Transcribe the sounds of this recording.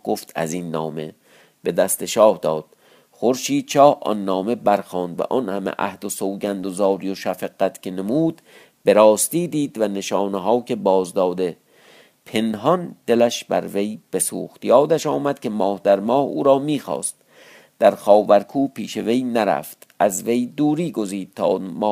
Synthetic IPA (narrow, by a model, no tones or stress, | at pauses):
ɡ̥oft̪æ̰zinːɒ̰ːme̞̰ | b̥e̞d̪æst̪eʃɒːhd̪ɒːd̪̥̚ | xoɾʃiːd̪̥t͡ʃɒːhʔɒ̰nːɒːme̞bæɾxɒːnd̪væ̰ʔɒnhæmḛʔæ̰hd̪osoːɟænd̪ozɒːɾijoʃæfeɡæt̪ʰkʲʰene̞muːd̪̥ | be̞ɾɒːst̪iːd̪iːd̪væne̞ʃɒːneɦɒːkʰe̞bɒːzd̪ɒːd̪e̞ | pʰe̞nɦɒnd̪̥e̞læʃbæ̰ɾve̞jb̥e̞suːxt̪ijɒːd̪æʃɒːmæd̪̥̚kʲʰe̞mɒːhd̪æɾmɒːhṵːɾɒːmiːxɒ̰ːst̪̚ | d̪̥æɾxɒːvæɾkʰuːpiːʃe̞ve̞jnæɾæ̰ft̪ʔæzve̞jd̪uːɾiːɡo̞ziːd̪̚t̪ʰɒ̰ːmɒː